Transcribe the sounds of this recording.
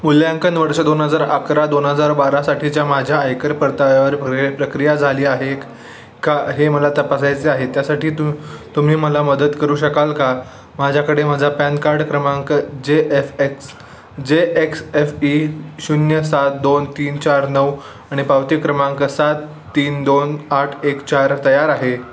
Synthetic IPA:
muljaŋkənd̪ʋəɾʂəd̪onɦəd͡zaɾəkɾad̪onɦəd͡zaɾbaɾasaʈʰit͡ɕjamad͡ʑʱjaːjkəɾpəɾt̪aʋjaʋəɾpɾəkɾijad͡zʱaliːaɦe | kaɦeməlat̪əpas̬ajt͡seaɦet̪jasaʈiːt̪ut̪um̤iːməlaməd̪ət̪kəɾuːɕəkalka | mad͡ʑʱjakəɽemad͡zʱapankaɾɖkɾəmaŋkd͡ʑeʔefeks | d͡ʑeeksefiɕunjəsat̪̚d̪ont̪iːnt͡ɕaɾnəw | aɽ̃ipawt̪ikːɾəmãŋkəsat̪ː | iːnd̪onaʈʰekt͡ɕaɾt̪əjaɾaɦe

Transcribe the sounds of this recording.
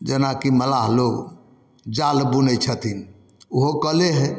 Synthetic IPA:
d͡ʒənakiməlaɦloɡ | d͡ʒalbunət͡ʃʰət̪ʰin | oɦokəleɦɛ

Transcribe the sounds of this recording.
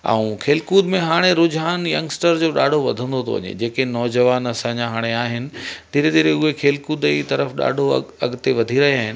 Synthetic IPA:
ɛ̰ũkʰeːlkuːd̪mẽɦaːɽ̃eɾʊd͡ʑɦaːnjɐ̃ŋɡsʈəɾd͡ʑoːɗa̰ːɖʱoʋɐd̪ʱə̃nd̪ot̪ʰo̰ʋɐ̰ɲḛd͡ʑeːkenɔːd͡ʑəʋaːnɐsãːɲd͡ʑaɦaːɽ̃eaːɦɪnɪ̆t̪iːɾeɗ̪iːɾeʊɦekʰeːlkuːd̪it̪ɐɾəfɗa̰ːɖʱoɐɡt̪eʋɐd̪ʱiɾɐɦiaːɦɪnɪ̆

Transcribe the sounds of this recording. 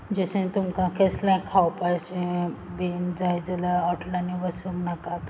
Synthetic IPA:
d͡ʑesẽt̪umkãkʰeslãkʰawpajsẽbend͡zajd͡zəlaɔʈʰlaniʋəsumnakat̪

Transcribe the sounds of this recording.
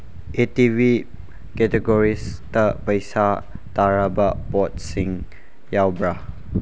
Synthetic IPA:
ʔetivi | kɛtɛɡɔɾistəpəjsa | taɾabaʔpɔt̚siŋ | jawbɾah

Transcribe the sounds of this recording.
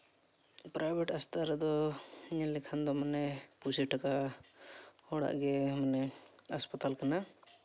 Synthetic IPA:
pɾʔajbʱɛʈast̪ʰaɾɛd̪ɔiɲalɛkʰand̪ɔmanɛpusɛʈaka | hɔɽa̰ʔɡɛmanɛ | aspat̪alkana

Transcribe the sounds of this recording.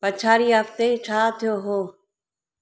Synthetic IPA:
pɐt͡ʃʰaːɾiɦəft̪et͡ʃʰaːt̪ʰijoɦoː

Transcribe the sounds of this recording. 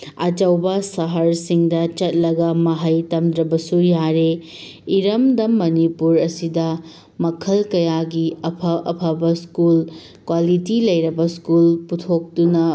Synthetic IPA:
ɐd͡ʒɐwbɐsɐɦɐɾsiŋdɐt͡ʃɐt̚lɐɡɐmɐɦɐjtɐmdɾɐbɐsujaɾe | iɾɐmdɐmːɐnipuɾɐsidɐ | mɐkʰɐlkɐjaɡiɐpʰɐɐ̰pʰɐbɐskul | kwalitilɐjɾɐbɐskulputʰok̚dunɐ

